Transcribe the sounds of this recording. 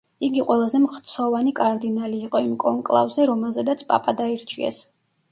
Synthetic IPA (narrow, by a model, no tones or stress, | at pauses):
iɡiqʼwɛlˠazɛmχt̪sʰɔvanikʼaɾd̪inaliːqʼɔimkʼɔŋkʼlˠa̰vzɛɾɔmɛlˠzɛd̪at̪sʰpʼa̰pʼad̪aiɾt͡ʃʰiɛ̰s